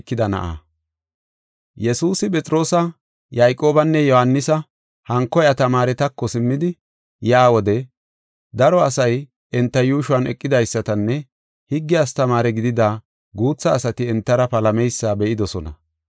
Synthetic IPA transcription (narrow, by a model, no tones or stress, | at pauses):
kːɪd̪ɐnɐ̰ʔa̰ː | jɛsuːsɪpʼɛt͡sʼɾo̞ːsɐ | jajkʼːo̞ːbɐnːɛjɔhɐnːɪsɐ | hɐŋkːɔjɐt̪ɐmaːɾɛt̪ɐkːɔsɪmːɪd̪ɪ | jaːwɔd̪ɛ | d̪ɐɾɔɐsɐj | ɛnt̪ːɐjuːʃʊɐnɛ̰kʼːɪd̪ɐjsːɐt̪ɐnːɛ | hɪɡːɪaːst̪ɐmaːɾɛɡɪd̪ɪd̪aː | ɡuːt͡sːɐːsɐt̪ɪɛnt̪ːɐɾɐpɐlɐmɛjsːaːbɛʔɪd̪ɔsɔnɐ̰